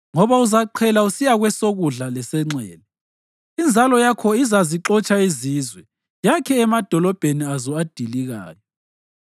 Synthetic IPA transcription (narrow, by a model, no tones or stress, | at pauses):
ŋɔβauzaǃʰɛlausijaɣwɛsoɣuɮalɛsɛŋ͡ǀɛ̰ːlɛ | ind͡zʱalɔjakʰɔizaziǁɔt͡ʃʼaizizwɛ | jakʰɛːmad̥ʱɔlɔb̥ʱeniazɔad̥ʱiliɣa̰ːjɔ